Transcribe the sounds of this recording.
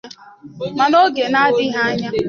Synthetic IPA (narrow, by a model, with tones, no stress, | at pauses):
ma˨no˦ɡe˨na˦a˦dɪ˦ɦa˦a˦ɲa˦